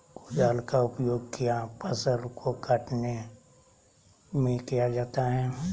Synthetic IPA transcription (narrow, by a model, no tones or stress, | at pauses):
kʊd͡ʒaːlkaʊpjoːɡ̚kijapɐsəɾkʰokɐʈne | mẽkijad͡ʒaːt̪aɦɛː